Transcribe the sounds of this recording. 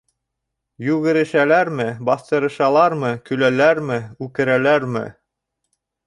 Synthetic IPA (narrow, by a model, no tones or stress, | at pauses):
jʉɣɘ̆ɾɘ̆ʃælæɾmɘbɑθt̪ɤ̆ɾɤ̆ʃɑlˠɑɾmɤkɵ̆lælæɾmɘʉkɘ̆ɾælæɾmɘ̰